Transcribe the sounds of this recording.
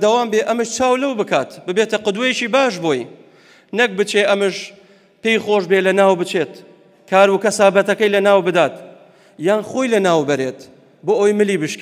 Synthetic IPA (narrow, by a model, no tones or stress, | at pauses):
d̪ɐwaːmbeʔɐmɨʃt͡ʃaːwlɐwbɨkaːt̪bɨbeːt̪ɐqɨd̪wejeʃiːbaːʃboːj | nɐk̚bɨt͡ʃeʔɐmɨʃ | pejχoːʃbelɐnaːwbɨt͡ʃeːt̪ | kʰaːɾukɐsaːbɐt̪ɐkɐjlɐnaːwbɨd̪aːt̪ | jaːnχoːjlɐnaːwbɐɾeːt̪ | boːʔojmɨliːbɨʃk